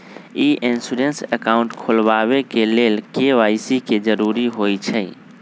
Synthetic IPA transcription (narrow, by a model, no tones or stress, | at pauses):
iʔensuɾensəkaʊɳʈkʰolʋaβekeleːlkeʋaisiked͡ʒəɾuɾiɦojt͡ʃʰɛ